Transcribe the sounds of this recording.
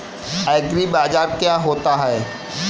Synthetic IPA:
ɛːɡɾibaːd͡ʒaːɾkjaːɦoːt̪aɦɛː

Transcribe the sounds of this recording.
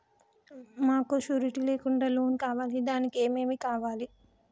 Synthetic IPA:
maːkuʃuːɾiʈileːkuɳɖaːlo̞ːnkaːʋaːlid̪aːnike̞ːme̞ːmikaːʋaːli

